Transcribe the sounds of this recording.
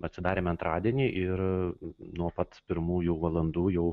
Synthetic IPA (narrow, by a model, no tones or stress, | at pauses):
ɐtʲsʲɪd̪ɑːɾʲeːmɐnt̪ɾɑːd̪ʲiɛnʲiːʔɪɾ | nuɔpɐt̪pʲɪɾmuːjuʋɐlˠɐnd̪uːjɛʊ